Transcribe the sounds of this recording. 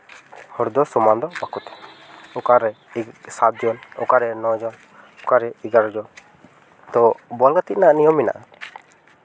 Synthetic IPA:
hɔɾd̪ɔsɔmand̪ɔbakut̪ɛ̥ɔkaɾɛ | sat̪d͡ʒɔnɔ̰kaɾɛnɔd͡ʒɔn | ɔkaɾɛiɡaɾɔd͡ʒɔn | t̪ɔbɔlɡat̪it̪̚naaʔnijɔmːina̰ʔa

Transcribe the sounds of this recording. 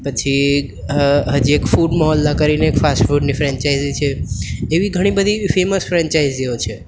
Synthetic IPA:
pət͡ʃʰi | ɦəd͡ʒiekpʰuɖmɔɦəlːəkəɾineekpʰasʈpʰuɖnipʰɾɛnt͡ʃaɪd͡ʒit͡ʃʰɛebiɡʱəɽ̃ibəd̪ʱipʰeməspʰɾent͡ʃaid͡ʒd͡ʒeot͡ʃʰɛ

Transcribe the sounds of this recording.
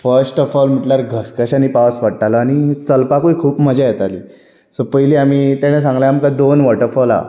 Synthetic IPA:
fəɾsʈɔfɔlm̤iʈlaɾɡʱəskəɕanipasʋəɽʈaləaɽ̃it͡səlpakuikʰuːpməd͡ʑajet̪aliː | səpəjliːam̤iːt̪aɽ̃es̬ãŋɡljamkad̪onʋəɾʈəɾfɔla̰

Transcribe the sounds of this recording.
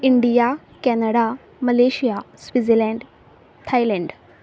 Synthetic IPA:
iɳɖija | kɛnəɽa | məleːɕijasʋid͡zelɛ̃ɳɖ | t̪ʰajlɛɳɖ

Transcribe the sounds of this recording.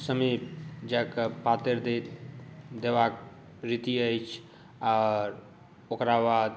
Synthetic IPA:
səmibd͡ʒakəpat̪eɾd̪et̪d̪ebak̚ | ɾit̪iəjt͡ʃʰ | aɾ | okɾabad̪

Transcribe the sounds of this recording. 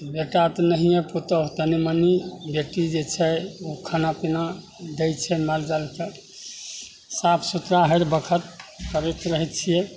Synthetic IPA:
beʈat̪ɔnəɦijẽpʰut̪əɦt̪ənimənibeʈid͡ʒet͡ʃʰɛukʰənapina | d̪ejt͡ʃʰɛmald͡ʒalke | sapʰsut̪ɾaɦəɾbəkʰət̪̚kəɾɛt̪ɾəɦɛt̪̚t͡ʃʰije

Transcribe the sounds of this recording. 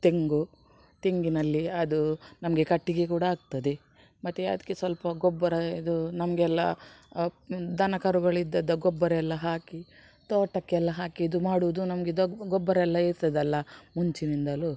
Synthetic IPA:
t̪eŋɡu | t̪eŋɡinɐlːiɐd̪unɐmɐɡe̞kɐʈːiɡekuːɽɐaːɡ̚t̪ɐd̪e | mɐt̪ːeɐ̰d̪ɐ̥kːesʋɐlpɐɡɔbːɐɾɐid̪unɐmɐɡeɛlːɐ̰ | d̪ɐnɐkɐɾuɡɐɭid̪ːɐd̪ːɐɡɔbːɐɾɐɛlːɐɦaːki | t̪oːʈːɐkːeɛlːɐɦaːkiɐd̪umaːɽuʋud̪unɐmɐɡeid̪ɐɡɔbːɐɾɐɛlːɐiɾt̪ɐd̪ɐlːɐmuɲt͡ʃinind̪ɐlu

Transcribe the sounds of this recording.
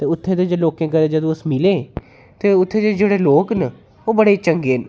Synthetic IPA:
t̪eːʊt̪ʰːeːd̪eːd͡ʒeloːkẽːkəd̪eːd͡ʒəd̪õːʊsmɪleː | t̪eːʊt̪ʰːeːd͡ʒ̪eːd͡ʒeːɽeːloːkn | oːbəɽeːt͡ʃəŋɡeːn

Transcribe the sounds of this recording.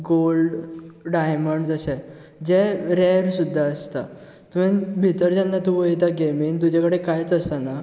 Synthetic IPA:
ɡolɖɖajməɳɖd͡zəsɛ | d͡ʑɛɾɛɾsud̪ʱːaəst̪a | t̪umɛ̃bʱit̪əɾd͡ʑanːat̪ũʋəjt̪̬aɡemind̪ud͡ʑakəɽekajt͡səst̪ana

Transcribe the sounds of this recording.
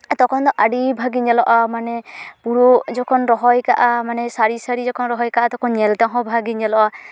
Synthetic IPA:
t̪ɔkʰɔnd̪ɔʔaɖibʱaɡiɲɛlɔʔamanɛpuɾud͡ʒɔkʰɔnɾɔɦɔjkaʔamanɛsaɾisaɾid͡ʒɔkʰɔnɾɔɦɔjkaʔat̪ɔkʰɔnɲɛlt̪aɦɔ̃bʱaɡiɲɛlɔʔa

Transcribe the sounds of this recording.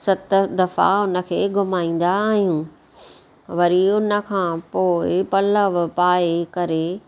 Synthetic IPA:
sɐt̪d̪ɐfa̰ʊnə̆kʰeːɡʊmaːĩːn̆d̪aːɦijũː | ʋɐɾiʊnə̆kʰãːpoːɪpɐləʋpaːekɐɾe

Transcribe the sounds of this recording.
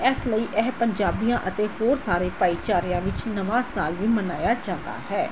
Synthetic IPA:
ɛsləiːʔɛːpəɲd͡ʒaːbijãːʔət̪eːhoːɾsaːɾeːpaːiːt͡ʃaːɾijãːʋɪt͡ʃnəʋaːsaːlʋiːmənaːjaːd͡ʒãːnd̪a̰ːhɛː

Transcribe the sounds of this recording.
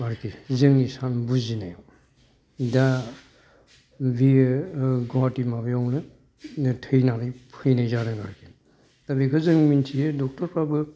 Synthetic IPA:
aɾkizɯŋnisanbuzinajo | da | bi | ɡɔatimabijɔŋnɯ | tʰɯjnaɾɯjpʰɯjnajzaɾaɡa̰ɾki | tabikʰɯzɯŋmintʰijedɔk̚tɔɾpʰabɯ

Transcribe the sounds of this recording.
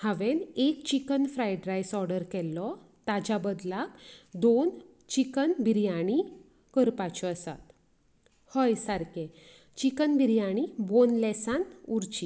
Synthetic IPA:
haʋenekt͡ɕikənfɾajɖɾajsɔɾɖəɾkɛlːɔ | t̪ad͡ʑabəd̪lakd̪on | t͡ɕikənbʱiɾjaɽ̃i | kəɾpat͡ɕʰɔəsa̰t̪ | həjsaɾke | t͡ɕikənbʱiɾjaɽ̃ibonlɛsãnuɾt͡ɕi

